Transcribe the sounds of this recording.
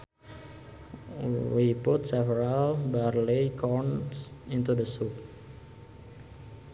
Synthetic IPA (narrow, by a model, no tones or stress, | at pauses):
wiput̪sɛvəɹalbɛrlikʰɔɹnsĩnt̪udəsup̚